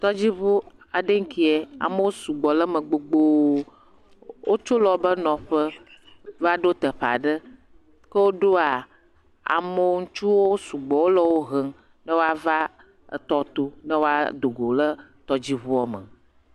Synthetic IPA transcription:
t̪ɔ˦d͡ʑi˦βu˦ | a˨ɖə˦ŋ̩˦ki˦e˨a̰˨mə˦wo˦su˨ɡ͡bɔ˨lə˦mə˨ɡ͡bo˦ɡ͡bo˦ | wo˦t͡ʃo˦lɔ˨bə˦nɔ̃˨ɸə˦ | va˦ɖo˦t̪ə˨ɸa̰˨ɖə˦ | kə˦wo˦ɖo˦a˨ | a̰˨mə˦wŋu˦t͡ʃu˦wo˦su˨ɡ͡bɔ˨wo˦lə˦wo˦ɦə˦ŋ | nə˦wo˦a˦va˦ | ə̰˨t̪ɔ˦t̪o˦nə˦wo˦a̰˦d̪o˨ɡo˨lə˦t̪ɔ˦d͡ʑi˦βu˦ɔ˨mə̰˨

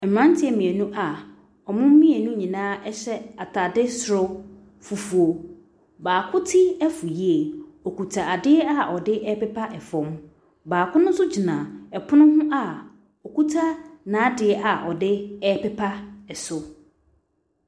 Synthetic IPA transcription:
m̩˨mã˦n˦tʰɪ˦ɛ˨mĩ˨æ˨nũ˦ʔa˨ | ɔ˨mʊ̃˦m̩˦mĩ˦e˨nũ˦ɲĩ˨nãː˦ɛ˦ɕɛ˦a˨tʰa˨dɪ˦sʊ˨ɾʊ˦ | fu˨fu˨o˨ | baː˨kʰʊ˦tʰɪ˦ɛ˦fu˨ji˦e˨ɔ˨kʰu˨tʰa˨a˨dɪ˦ɛ˦a˦˨ʔɔ˨dɪ˦ʔɛ˦pɛ˦pʰa˦ʔɛ˨fɔ̃˨m | baː˨kʰʊ˦nʊ̃˦sʊ˦d͡ʑi˨nã˨ɛ˨pʰʊ˦nʊ̃˦ɦʊ̃˦ʔa˨ | ɔ˨ku˦tʰa˦nãː˨˦dɪ˨ɛ˦ʔa˨ʔɔ˨dɪ˦ɛ˦pɛ˦pʰa˦ɛ˨sʊ˨

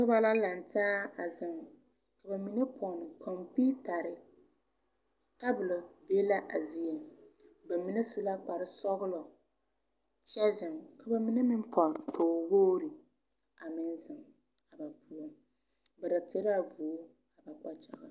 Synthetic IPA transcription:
ka˦ba˦la˦la˨n˨taː˦a˨zɪ˨ŋ˨ | ka˨ba˨mi˦nɛ˦pʰɔ˨nɪ˨kʰɔ˨mpi˦ta˨ɾɪ˨ | ta˦bʊ˨lɔ˨be˦la˦ʔa˨zi˦ɛ˨ | ba˨mi˨nɛ˦su˦la˦k͡pa˨ɾɪ˦sɔ˦ɣʊ˦lɔ˨ | t͡ʃɛ˦zɪ˨mka˨ba˨mi˦nɛ˦mɪ˦n˦pʰɔ˨tʰoː˨woː˦ɾi˨ | a˨mɪ˦n˦zɨ˨ŋ | a˨ba˨pʰu˦ɔ˦ | ba˨da˨te˦ɾɪ˦a˨vu˨o˦ | a˨ba˨k͡pa˦t͡ʃa˨ɣa̰˨

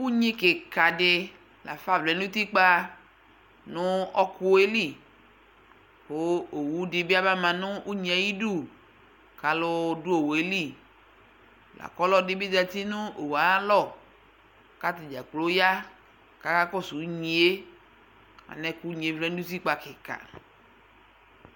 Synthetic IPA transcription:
ku˦ɲe˦ke˨ka˨dɪ˨ | la̰˨fa˦˨vlɛ˨˦n˦u˦t̪i˦k͡pa˦ | nʊ̃˦ɔ˦kʊ˦e˦li˦˨ | hʊ˦o˨wu˦dɪ˨bi˦a˦ba˦mã˨nʊ˦u˦ɲĩ˨a˨ji˦du˦ | ka˨lʊ˦du˦o˨wo˨e˦li˦˨ | la̰˨kɔ˦lɔ˦dɪ˦bi˦da˨t̪i˦nʊ̃˦o˨wa˨˦lɔ˦˨ | ka˦t̪ɪ˨d͡ʒa˨k͡plo˦ja˦ | ka˨ka˦kɔ˦su˨˦ɲĩ˨e˦ | a̰˨nɛ˨ku˦ɲ˨e˨˦vlɛ˦n˦u˦t̪̬i˦k͡pa˨kɪ˨ka̰˨

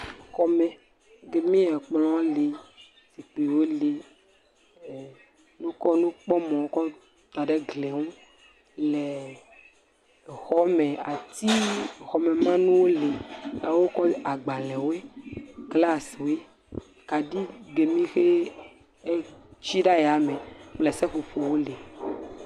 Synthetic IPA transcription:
xɔ˦mɛ̃˨ | ɡe˨mĩ˦ɛ˨k͡plɔ̃˦le˨ | si˨k͡pe˨wo˦le˨ | nũ˦kɔ˦nũ˦k͡pɔ˦mɔ̃˨o˦kɔ˦ | t̪a˨ɖe˦ɡle˨ŋũ˦ | lɛ˨ | xɔ˨˦mɛ̃˨a˨t̪i˦xɔ˨mɛ̃˨mã˦nũ˦wo˦le˨a˦wo˦kɔ˦a˨ɡ͡ba˨lɛ̃˨wo˦e˦kla˦swe˦ | ka˨ɖi˦ɡ͡be˨mĩ˦xe˦ | t͡ʃi˦ɖa˦ja˨mɛ̃˨k͡plɛ˨sɛ˦ɸo˨ɸo˨wo˦le˨

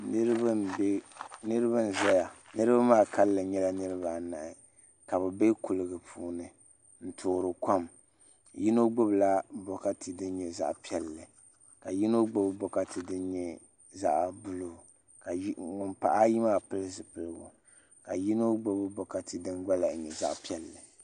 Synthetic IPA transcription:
nɨ˦ɾba˦bɛ˦nɨ˦ɾɨ˦ba˦n̩˨zɛ˦ja˨ | nɨ˦ɾɨ˦ba˦maː˦˨ka˦lːɨ˨ɲɛ˦la˦nɨ˦ɾɨ˦βa˨na˨ʔɪ˨ | ka˨βɛ˨be˦ku˨lɨ˨ɡɨ˨pʰuː˦nɨ˨ | n̩˦tʰʊː˨ɾɨ˨ka˦m | ji˦no˦ɡ͡bo˦bla˦bɔ˨ka˦tɨ˨dɨ˦n˦ɲɛ˨za̰˦ʔpi˦ɛ˨lːɨ˨ | ka˨ji˦no˦ɡ͡bo˦bɨ˦bɔ˨ka˦tɨ˨dɨ˦nɲɛ˦ | za̰˦ʔbʊ˦lʊ˨ | ka˨˦ŋʊ˨mpa̰˨ʔa˦ji˦maː˦˨pɨ˦lɨ˦zɨ˨pɨ˨lɨ˨ɡʊ˨ | ka˨ji˦no˦ɡ͡bo˦bɨ˦bɔ˨ka˨tɨ˨dɨ˦nɡa˦la˨ɲɛ˨za̰˦ʔpi˦ɛ˨lːɨ˨

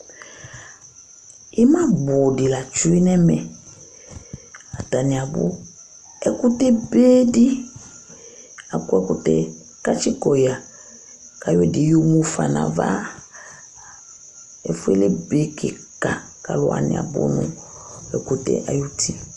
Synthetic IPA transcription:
ɪ˦mã˦bʊ˨dɪ˨la˨t͡ʃu˦i˦nɛ˦mɛ˨ | a˨ta˨nɪ˨a˨bʊ̰˦ | ɛ˦kʊ˦tɛ˦beː˦di˦ | a˨kʊ˦ɛ˦kʊ˨tɛ˦ | ka˦t͡ʃi˦kɔ˨ja˨ | ka˨jwɛ˦˨dɪ˨ju˦mu˦fa̰˨na̰˨va̰˦ | ɛ˨fʊ˦ɛ˦lɪ˦be˦kɪ˨ka˨ | ka˨lʊ˨a̰˨nɪ̰˨a̰˨bʊ̰˦nʊ˦ | ɛ˨ku˦tɛ̰˦ʔa˨ju˦tʰi˦

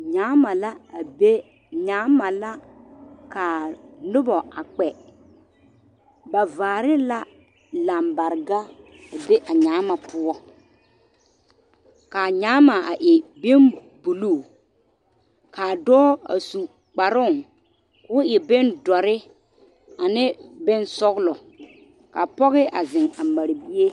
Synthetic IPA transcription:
ɲaː˨˦ma˨la˦a˨be˦ | ɲaː˨˦ma˨la˦ | ka˨nʊ˦bɔ˨a˨k͡pɛ˨ | ba˨vaː˨ɾɪ˦la˦ | la˨mba˨ɾɡa˦ | a˨be˦ʔa˨ɲaː˨˦ma˨pʊ˦ɔ˦ | ka˨ɲaː˨˦ma˨a˨ʔɪ˨be˦n | bu˨luː˦˨ | ka˨dɔː˦a̰˨su˨ | k͡pa˨ɾʊ˦˨ŋ | kʊ˨˦ʊ˦ʔɪ˨be˦ndɔ˨ɾɪ˦ | a˨nɪ˦bɪ˦nsɔ˦ɣlɔ˨ | ka˨pɔ˦ɣɪ˦ʔa˨zɪ˨ŋa˨ma˨ɾbi˦e˦

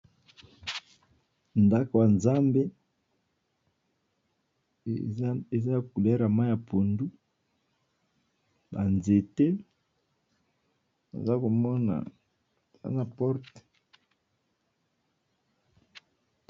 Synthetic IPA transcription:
nda˦ko˨ja˨nza˦mbe˦ | e˨za˦ja˨ku˨lɛ˦ɾa˨ma˦ja˨po˨ndu˦ | ba˨nze˨te˦ | na̰˨za˦ko˨mɔ˦na̰˨ | e˨za̰˦na˨pɔ˦ʁt

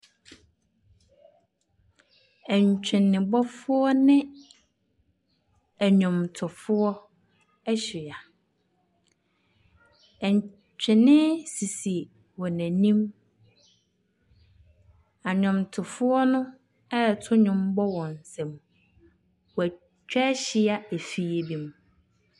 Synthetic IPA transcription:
ɛ˨ɲ˨t͡ɕᶣɪ̃˨nːɪ̃˨bɔ˦fʊ˦ɔ˦nɪ̃˦ | æ˨ɲʊ̃˨mtʰʊ˨fʊ˦ɔ˦ | ɛ˦ɕɪ˨a˨ | ɛ˨ɲ | t͡ɕᶣɪ̃˨nɪ̃˦si˨si˨ | wɔ˨næ̃˨nĩ˦m | a˨ɲᶣʊ̃˨mtʰʊ˨fʊ˦ɔ˦nʊ̃˦ | ɛ˦˨tʰʊ˦ɲʊ̃˨mbɔ˦wɔ̃˨n̩˨sɛ̃˨m | wɔ˨æ˨ | t͡ɕᶣɛ˦ɕɪ˦a˦e˨fi˨e˨bi˨m̃˨

